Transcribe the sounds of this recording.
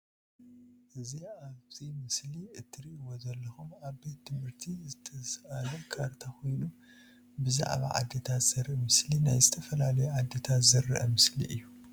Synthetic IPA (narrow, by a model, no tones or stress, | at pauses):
ʔɨziaβzimɨsliɨt̪ʰːɨɾiʔwozɐlːɐxumaβbe̞t̪ːɨmɨɾt̪ʰizɨt̪ʰɐsʔalɐkʰaɾt̪ʰaxʰo̞jnu | bɨza̰ʕβa̰ʕa̰d̪ːet̪ʰat̪z̥ɐɾʔɨmɨslinajzɨt̪ʰɐfɐlalɐjɛʕad̪ːet̪ʰat̪zɐrːɨ̰ʔɨ̰mɨslḭʔɨjːu